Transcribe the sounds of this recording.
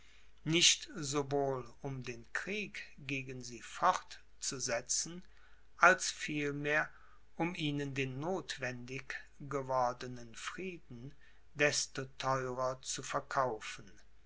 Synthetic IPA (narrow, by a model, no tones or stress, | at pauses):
nɪʃtzovoːlʊmdeːnkʁ̥iːkɡ̥eːɡənziːfɔʁt | t͡suzɛt͡sn̩ | ʔalsfiːlmeːɐ | ʔʊmʔiːnəndeːnːoːtv̥ɛndɪkɡ̥əvɔɐdənənfʁ̥iːdn̩ | dɛstotʰɔʏʁɐt͡sufɛɐkʰaʊfən̩